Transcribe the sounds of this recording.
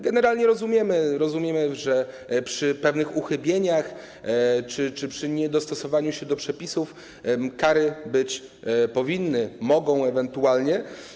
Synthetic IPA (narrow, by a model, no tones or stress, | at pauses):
ɡɛnɛɾalɲɛɾɔzumʲjɛmɘɾɔzumʲjɛmɘʐɛ | pʂɘpɛvnɘxuxɘbʲjeɲax | t͡ʂɘt͡ʂɘpʂɘɲɛd̪ɔst̪ɔsɔvaɲuɕɛd̪ɔpʂɛpʲisuf | kaɾɘbɘt͡ɕ | pɔvʲinːɘmɔɡɔ̃w̃ɛvɛnt̪ualɲɛ